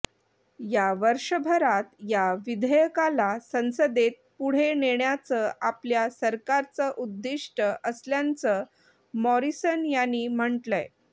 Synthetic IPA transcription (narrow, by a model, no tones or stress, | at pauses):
jaʋəɾʂəbʱəɾat̪jaʋid̪ʱəjəkalasə̃w̃səd̪et̪̚puɽ̤eneɳjat͡səapljasəɾkaɾt͡səʔud̪ːiʂʈəʔəsljant͡sə | mɔɾisənjanːiːm̤əɳʈləj